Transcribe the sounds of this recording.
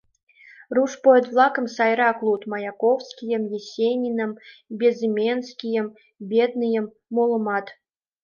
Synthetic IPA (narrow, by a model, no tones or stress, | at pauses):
ruʂpot̪vlˠɑkə̆msɑjɾɑklˠut̪mɑjakowskʲijə̆mjesʲenʲinə̆mbʲezɨmʲenskʲijə̆m | bʲed̪̚nɨjə̆mːolˠɤ̆mɑt̪